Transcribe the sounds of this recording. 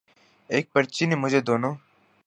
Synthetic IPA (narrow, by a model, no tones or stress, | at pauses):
eːk̚pəɾt͡ʃinemʊd͡ʒʱeːd̪oːnoː